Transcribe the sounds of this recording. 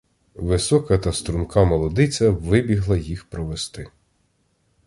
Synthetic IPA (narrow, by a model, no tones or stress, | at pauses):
ʋɪsɔkɐt̪ɐst̪ɾunkɑmɔlˠɔd̪ɪt͡sʲɐʋɪbʲiɦlˠɐjixpɾɔʋest̪ɪ